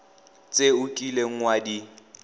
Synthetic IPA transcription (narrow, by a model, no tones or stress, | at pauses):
t͡sʼeʊkʼileŋ̩wadi